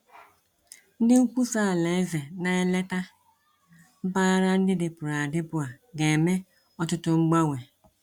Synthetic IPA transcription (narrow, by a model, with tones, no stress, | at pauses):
n̩˦dɪ˦u˦kʷu˦saː˦˨le˨˦ve˨na˨e˦le˦ta˦ | m̩˦baː˦ɾa˦n̩˦dɪ˦dɪ˨pʊ˨ɾa˨dɪ˦bʊ˦a˨ | ɡe˨me˦ | ɔ˦tʊ˦tʊ˦ŋ͡m̩˦ɡ͡ba˦we˨